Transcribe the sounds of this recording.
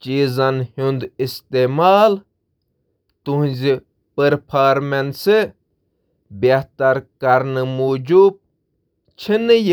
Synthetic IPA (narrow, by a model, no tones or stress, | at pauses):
t͡ʃiːzɐnhũnd̪ist̪eːmaːl | t̪uɦũzi | pəɾpʰaːɾmense | bjɐht̪aɾkɐɾnɨmoːd͡ʒub̚ | t͡ʃʰinɨj